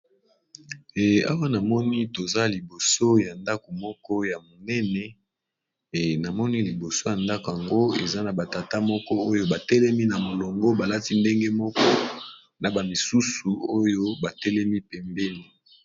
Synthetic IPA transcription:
a̰˦wa˦na˨mɔ˦ni˦to˨za˦li˨bo˨so˦ja˨nda˦ko˨mɔ˦kɔ˦ja˨mo˨nɛ˦nɛ˨ | na˨mɔ˦ni˦li˨bo˨so˦ja˨nda˦ko˨ja˨ŋɡo˦ḛ˨za˦na˨ba˨ta˨ta˦mɔ˦kɔ˦o˦jo˦ba˨tɛ˦lɛ˦mi˦na˨mo˨lɔ˨ŋɡɔ˦ba˨la˦ti˦nde˦ŋɡe˦mɔ˦kɔ˦ | na˨ba˨mi˨su˦su˨o˦jo˦ba˨tɛ˦lɛ˦mi˦pɛ˨mbɛ˦ni˦

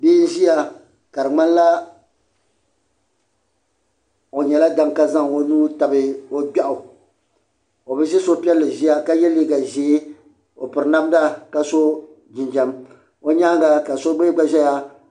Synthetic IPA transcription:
biː˦n̩˦ʒi˦ja˦ | ka˨ɾɨ˨ŋ͡ma˦n˦la˦ | o˨ɲɛ˨la˦da˦ŋka˦za˦ŋo˦nuː˦ta˨bɨ˦o˦ɡ͡ba˦ʔʊ˨ | o˨bɨ˦i˦so˦pi˦ɛ˦lːɨ˨ʒi˦ja˦ka˦jɛ˦lːi˦ɡa˨ʒe˨˦ | o˨pɨ˨ɾɨ˨na˦m˦da˦ka˨so˦ | d͡ʒɪ˨nd͡ʒa˦m | o˦ɲa˦ɡa˨ka˨so˦ɡ͡be˦ɡ͡ba˦ʒɛ˦ja˨

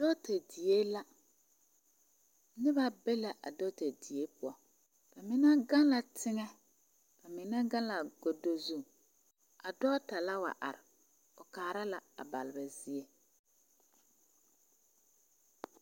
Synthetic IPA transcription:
do˦ta˨di˨je˦la˦ | nɪ˦βa˦be˦la˨ʔa̰˨do˦te˨di˨e˦pʊ˦ɔ˨ | ba˨mɪ˦na˦ɡa˦la˨tʰɪ˦ŋɛ˦ | ka˨mɪ˨na˦ɡã˦la˨ɡo˨do˦zu˦ | a˨dɔː˦ta˨la˦wa̰˨ʔa̰˨ɾɪ˨ | ʊ˨kaː˨ɾa˦la˨a̰˨ba̰˨lɪ˨ba˨zi˦e˦

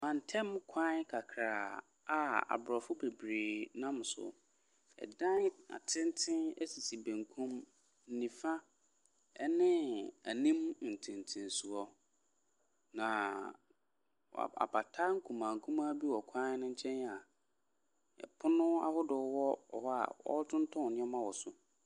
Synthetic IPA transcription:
mã˨n̩˨tʰɛ̃˦m˦kʰã˦kʰa˨kʰɾaː˨ | a˦a̰˨bɾɔ˨fʊ˦be˨bɾeː˨nã˦m˨sʊ̰˨ | ɛ̰˨dã˦n˦a̰˨tʰɪ̃˦n˦tʰɪ̃˦ɛ˦si˨si˨bẽ˨ŋkʰũ˦m | n̩˨nĩ˨fa˦ | ɛ˦nɪ̃˦æ̰˨nĩ˦m˨n̩˨tʰɪ̃˨n˨tʰɪ̃˨nsu˨ɔ˦ | nã˨ | a̰˨ba˨tʰa˦ŋ̩˦kʰũ˨mã˨ŋ̩˨kʰũ˦mã˦bi˦wɔ˨kʷʰã˦n˦nʊ̃˦ɲ̩˦t͡ɕʰɛ̃˦na˨ | ɛ̰˨pʰʊ˦nʊ̃˦a̰˦hʊ˦dʊ˨wɔ˦ɔ̰˨hɔ˦a̰˨wɔ̰˦tʰʊ̃˦n˦tʰɔ̃˦˨nɪ̃˦ɔ˦mã˦wɔ˨sʊ˨

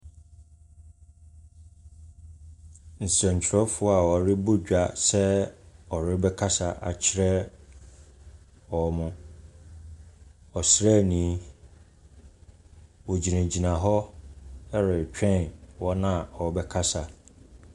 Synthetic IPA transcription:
n̩˨sɾã˨ɲ̩˨t͡ɕʰɪ˨ɾɔ˦fʊ˦a˨wɔ˨ɾɪ˦bʊ˦d͡ʑᶣa˨sɛ˦ɔ˨ɾɪ˦bɛ˦kʰa˦sa˨ʔa̰˨t͡ɕʰɪ˦ɾɛ˦ | wɔ˨˦mʊ̃˦ | ɔ˨sɾɛ˦˨nĩ˨˦ | wɔ˨d͡ʑi˨nã˨d͡ʑi˨nã˨ɦɔ˦ | ɛ˦ɾɪ˨t͡ɕᶣʰɛ̃˦˨nwɔ˦nã˨ɔ˨bɛ˦kʰa˦sa˨

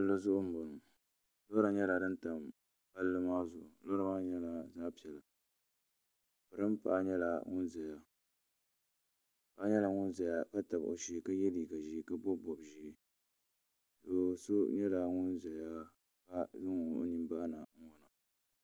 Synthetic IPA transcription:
a˦lo˦zʊ˦ʔʊ˦m̩˦bo˨nʊ˨ | lo˦ɾa˨ɲɛ˦la˨dɨ˦n˦ta˨m | ba˦lːɨ˦maː˦zʊ˨ʔʊ˨lo˦ɾa˦maː˦ɲɛ˦la˨zaː˦pi˨ɛ˨lɨ˨ | pɨ˨ɾɨ˦mpa̰˦ɲɛ˦la˨ŋʊ˦nzɛ˨ja˦ | pa˦ɲɛ˦la˨ŋʊ˦nza˨ja˦ka˦ta˨bo̰˨ʃi˦˨ka˦jɛ˦liː˨ɡa˨ʒi˦ka˦bɔ˦bɔ˨bʒi˨˦ | do˨so˦ɲɛ˦la˨ŋʊ˦nza˨ja˦ | ka˦zɨ˦ŋʊ˨n˦˨ʔni˦mbaː˦na˨ŋ̩˦wɔ˨na˨

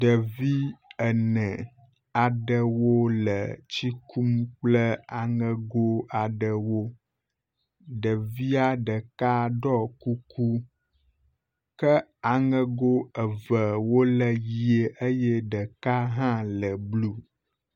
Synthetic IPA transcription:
ɖə˨vi˦ə˨nə̃˨ | a˨ɖə˨wo˦lə˨t͡ɕi˦ku˦mk͡plə˦a˨ŋə˨ɡo˦a˨ɖə˨wo˦ | ɖə˨vi˦a˦ɖə˨ka˦ɖɔ˦ku˦ku˦ | kə˦a˨ŋə̃˦ɡo˦ə˨və˨wo˦lə˨ji˨e˨ʔə˦jɛ˦ɖə˨ka˦ɦã˦lə˨blu˦

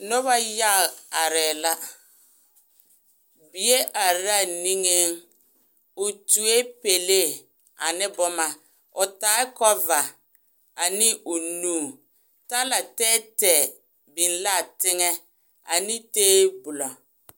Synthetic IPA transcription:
nɔ˦βa˦ja˦˨a˨ɾɛː˨la˦ | bi˨e˦ʔa˨ɾa˦˨ni˦ŋe˦ŋ | ʊ˨tu˨e˦pe˨le˦˨ | a̰˨nɪ˦bʊ˦ma˨ | ʊ˨taː˨˦ɪ˦kɔ˦va˨ | a˨nɪ˦ʔʊ˨nuː˦˨ | ta˦la˨tɛː˦tɛ˨ | bi˨nla˦˨tɪ˦ŋɛ˦ | a̰˨nɪ˦teː˦bʊ˨lɔ˨

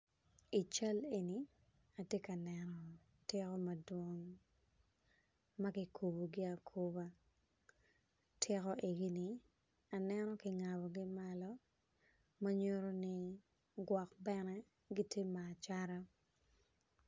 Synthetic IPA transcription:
i˨t͡ʃa˦leni˨ | a˨tje˦ka˨nɛnɔ˨ | tɪ˦kɔ˦ma˨dwɔ˦ŋ | makɪ˨kʰu˨bo˨ɡɪ˦a˨kʰu˦ba˦ | tʰɪ˦kɔ˦ʔe˨ɡi˦ni | a˨nɛnɔ˦kɪ˨ŋa˨bɔ˨ɡɪ˦ma˦lɔ˦ | ma˦ɲo˦ɾo˦ni˦ | ɡwɔ˨kbɛnɛ˦ | ɡi˦tʰje˦maː˨t͡ʃaɾa˦

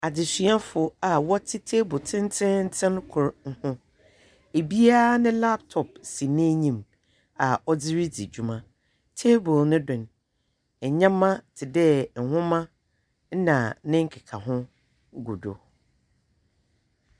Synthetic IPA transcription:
a˨d͡ʑɪ˨sɥa˦fʊ˨a˨wɔ˦tʰɪ˦tʰe˦bʊ˨tʰɪ̃˦n˦tʰɪ̃˦n̩˦tʰɪ̃˦n˦kʰʊ˨ɾŋ̩˦hʊ̃˦ | e˨bi˦a˦nɪ̃˦la˦p̚tʰɔ˨p̚si˨nɪ̃˦ɲĩ˨m | a˨ɔ˦d͡zɪ˦ɾi˦d͡zḭ˨d͡ʑu˨mã˨ | tʰe˦bʊ˨lnɪ̃˦dʊ̃˨n | ɛ˨ɲã˦mːã˦tʰɪ˨dɛ˦˨ŋ̩˨hʊ̃˦mã˦ | n̩˦nã˨˦nɪ̃˦ŋ̩˦kʰɪ˨kʰa˨ɦʊ̃˦ | ɡṵ˨do̰˨

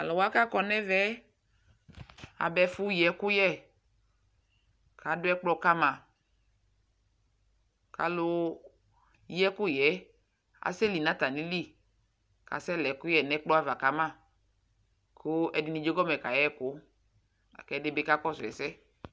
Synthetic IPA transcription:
a˨lɔ˨wa˦ka˦kɔ˨nɛ˦vɛ˦ | a̰˨bɛ˨fʊ˦jɛ˨kʊ˦jɛ˦˨ | ka˨˦dʊ˦ɛ˦k͡plɔ˧ka˦mã˨ | ka˨lʊ˧˦ | jɛ˦kʊ˦jɛ˨˦ | a̰˨sɛ˦li˨nã˦t̪a˨ni˦li˦˨ | ka̰˨sɛ˦lɛ˨kʊ˦jɛ˨nɛ˦k͡plɔ˦a˦va˨ka˨˦mã˦˨ | kʰʊ˦ɛ˨dɪ˨ni˨d͡ʒo˦ɡɔ˦mɛ˨ka˨jɛ˦kʊ˨˦ | a̰˨kɛ˨˦dɪ˦be˦ka˦kɔ˦sʊ˨ɛ̰˨sɛ˦

